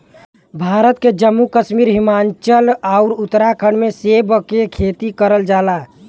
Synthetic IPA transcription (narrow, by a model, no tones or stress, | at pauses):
bʱaːɾət̪ked͡ʒəmːukəʃmiɾɦimant͡ʃəlaʊɾut̪ːɾakʰəɳmesebkekʰet̪ikəɾəld͡ʒaːla